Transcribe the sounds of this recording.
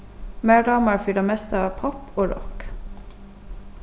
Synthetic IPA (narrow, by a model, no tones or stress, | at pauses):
meːɖɑːməɹfyːɖ̪ɑmɛst̪əɑːpʰɔpoːɾɔ̰k